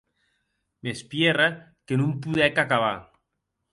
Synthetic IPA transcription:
mespjera | kenũmpuðɛkakaβ̞a̰

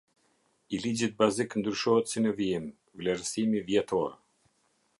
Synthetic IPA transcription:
ilid͡ʑit̪̚baziknd̪ɾyʃɔɦɛt̪sinəviim | vlɛɾsimivjɛt̪ɔɾ

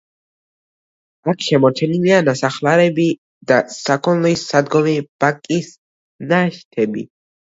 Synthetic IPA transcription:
akʰʃɛmɔɾt͡ʃʰɛnilianasaχlaɾɛbi | d̪asakʰɔnlˠisːad̪ɡɔmib̥akʼis | naʃt̪ʰɛbḭ

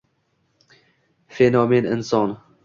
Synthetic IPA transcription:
fenɔmenɪ̰nsɒn

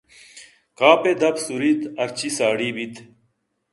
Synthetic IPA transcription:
kaːped̪ɐpsuɾit̪ɐɾt͡ɕisaːɽiːbit̪

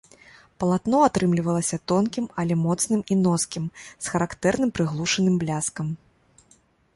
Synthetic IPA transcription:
pɐlˠat̪nɔat̪ɾɨmlʲivɐlˠɐsʲɐt̪ɔnkʲimɐlʲɛmɔt̪snɨminɔskʲimsxɐɾakt̪ɛrnɨmpɾɨɣlˠuʂɐnɨmblʲaskɐm

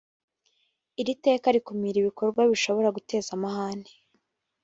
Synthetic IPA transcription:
iɾite̞ːkaɾikumiɾiβiko̞ɾɡwaβiʃo̞βo̞ɾaɡute̞ːzamahaːne̥

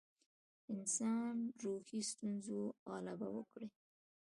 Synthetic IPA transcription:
ɪnsɑnɾoxist̪unzoɑlaba̰wə̰kɽi

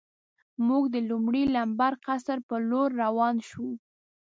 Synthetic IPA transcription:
muɡd̪əlumɽilambaɾqasəɾpəloɾːawɑnʃu

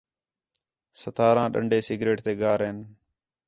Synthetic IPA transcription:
sət̪ʰaːɾãːɗə̰ɳɖeːsɪɡɾeːʈt̪eːɡaːɾɦeːn

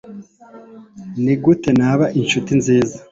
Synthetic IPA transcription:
niɡute̞naβaʔinʃutinziːza

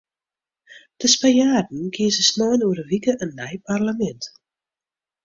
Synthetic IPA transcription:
d̥əspajaːdn̩ɡiəzəsnɔːjnuəɾəʋikəʔənːɛjparlamɛnt

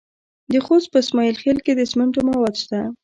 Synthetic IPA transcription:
d̪əxos̚pəsmɑjilxelked̪əsməɳʈomawɑd̪ʃt̪a

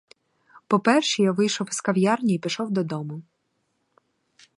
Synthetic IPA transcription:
pɔpɛrʃɛjaʋɪjʃɔwskɐwʲjɑrnʲiipʲɪʃɔwd̪ɔd̪ɔmʊ

